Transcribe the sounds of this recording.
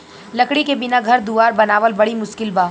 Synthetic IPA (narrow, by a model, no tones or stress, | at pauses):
lɐkɽikebɪnaɡʱɐɾd̪uːaːɾbɐnaːʋəlbɐɽimʊʃkɪlbaː